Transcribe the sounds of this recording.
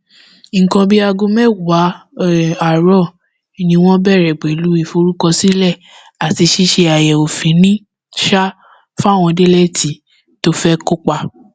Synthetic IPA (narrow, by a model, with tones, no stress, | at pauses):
kɔ̃˧bi˦a˧ɡũ˧mɛ̃˦wa˨˦ | a˨ɾɔ˦˨ | i˨nĩ˧w̃ɔ̃˦bɛ˦˨ɾɛ˨ɡ͡be˨lu˨˦i˦˨fo˧ɾu˦kɔ˧si˦lɛ˦˨ | a˨ti˧ʃi˦ʃe˧a˨jɛ˨o˨fĩ˨˦nĩ˦ | ʃa˦ | fa˦˨w̃ɔ̃˧de˦lɛ˦˨tʰi˨˦ | to˦fɛ˦ko˦k͡pa˧